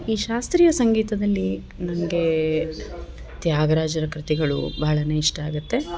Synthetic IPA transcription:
iːʃaːst̪ɾiːjɐsɐŋɡiːt̪ɐd̪ɐlːi | nɐmɐɡe̞ | t̪jaːɡɐɾaːd͡ʒɐɾɐkɾit̪iɡɐɭṵbɐɦɐɭɐne̞ːiʂʈɐaːɡut̪ːe̞

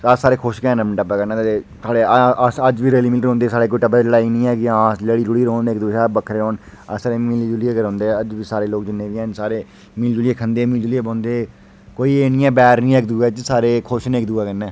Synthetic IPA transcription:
asaːɾeːkʰoːʃkɛ̃ːnəməɳʈəpːɛːkəɾnɛ̃ːt̪ːt̪eːt̪ʰaːɽeəd͡ʒʋiːɾeːliːmɪːlɾõːnd̪eːsaːɽeːk̬oːiːʈəbəd͡ʒəɽaːiːnĩːɛːkɪãːsləɽiːlʊɽiːɾoːneːkd̪uːʃaːbəkʰɾeːoːn | ə̰saːɾeːmɪld͡ʒulieːkəɾõːnd̪eːəd͡ʒʋiːsaːɾeːloːkd͡ʒɪnːẽːʋiɛːnsaːɾeː | mɪld͡ʒʊlieːkʰənd̪eːmiːld͡ʒuːlieːbõːnd̪eː | koːiːeːnĩːɛːbɛːɾnĩːɛːkd̪uːɛːt͡ʃsaːɾeːkʰoːʃneːkd̪uːɛːkənːɛ̃ː

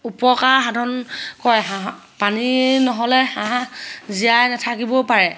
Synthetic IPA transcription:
upɔkaɹɦadʱɔnkɔja | paninɔɦɔlɛhãɦaziajnɛtʰakibɔpaɹɛ

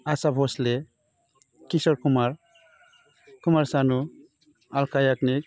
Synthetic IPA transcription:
asabʱɔsle | kisɔɾkumaɾ | kumaɾsanu | alkajaknik̚

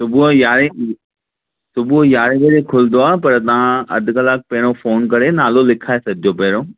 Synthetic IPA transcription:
sʊbuojaːɾe | sʊbuojaːɾẽʋeɾekʰʊld̪oaːpɐɾt̪ɐʋ̤ãɐ̰d̪ʱkəlaːk̚pɐɦɪɽ̃ofoːnkɐɾenaːlolɪkʰaːesɐbʱɪd͡ʑopɐɦɪɾoː

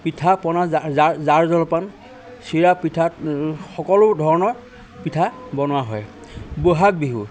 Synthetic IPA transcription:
pitʰapɔnazaɹzɔlɔpan | siɹapitʰatxɔkɔlʊdʱɔɹɔnɔɹ | pitʰabɔnʊwaɦɔj | boɦak̚biɦu

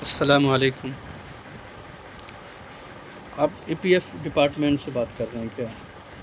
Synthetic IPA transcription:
ɐsːɐlaːmʋɐːleːkʊm | aːpiːpiɛfɖɪpaːɾʈmẽːɳʈsebaːt̪kɐɾːeɦɛ̃kjaː

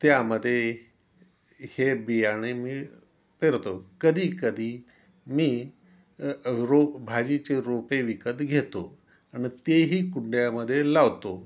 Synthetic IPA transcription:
t̪jaməd̪ʱːje | hebijaɽ̃emiː | peɾt̪okəd̪ʱiːkəd̪ʱiː | miː | ɾobʱad͡ʑit͡ɕeɾopeʋikət̪ɡʱet̪o | añit̪eɦiːkuɳɖjaməd̪ʱːjelaʋt̪o

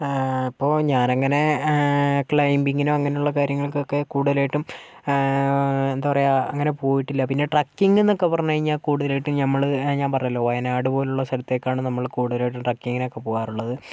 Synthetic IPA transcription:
ipːo̞ːɲaːnɐŋːɐne̞ | kɭɐjmbiŋɡinoɐŋːɐne̞uɭːɐkaːɾjɐŋːɐɭkokːe̞kuːɽuðɐlaːjiʈːum | end̪apɐrɐjaɐŋːɐne̞po̞ːjiʈːilːɐpinːe̞ʈrɐkːiŋɡenːokːepɐrɐɲːuɐɻiɲːaːkuːɽuðɐleːjiʈːumɲɐmːɐɭɲaːnpɐrɐjɐlːo̞ːʋɐjɐnaːɽɨpo̞ːleuɭːɐsɐlɐt̪ːe̞ːkʲːaːɳɨnɐmːɐɭkuːɽuðɐlaːjiʈ̬ːumʈrɐkːiŋɡinokːe̞poːɣaːruɭːɐðɨ

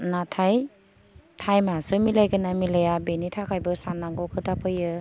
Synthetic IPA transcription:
natʰaj | tʰajmasɯmilajkɯnamilajabenitʰakʰajbɯsanːaŋɡɔkʰɯtapʰɯjɯ

